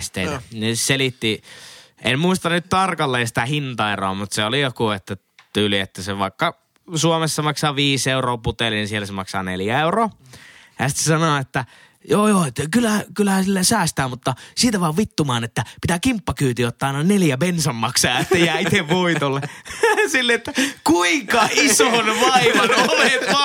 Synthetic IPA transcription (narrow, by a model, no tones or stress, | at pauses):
st̪ḛneselit̪ːi | ʔḛmmuist̪ɑnnyt̪t̪ɑrkɑlːejɑsĭ̥t̪æhint̪ɑero̰ːmut̪seolijokuet̪ːæ | t̪yːliet̪ːæseʋɑˑekːɑ | suomesːɑmɑksɑʋiːseuroːput̪elininsielːæsemɑksɑ̰ːnḛljæeuroː | jɑsi̥t̪sesɑnoet̪ːæ | joːjoːet̪ːækylːækylːæhæsilːæsæːst̪æːmut̪ːɑsiːt̪æʋɑːʋʋit̪ːumɑːnet̪ːæpit̪ækimpːɑkyːt̪iot̪ːɑɑenɑneljæpensɑmmɑksɑːɑt̪ːæjæːit̪eʋʋuit̪olːesilːet̪ːækuiŋkɑisonʋɑiʋɑnopet̪ːɑ